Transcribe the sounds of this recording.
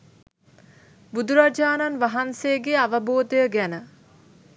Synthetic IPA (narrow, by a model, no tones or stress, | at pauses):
bud̪uɾad͡ʒaːnanʋaɦansejəɡeaʋəboːd̪əjəɡænə